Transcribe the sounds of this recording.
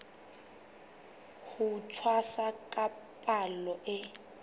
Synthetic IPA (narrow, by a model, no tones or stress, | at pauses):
hutʰwasakʼapʼalɔʔɪ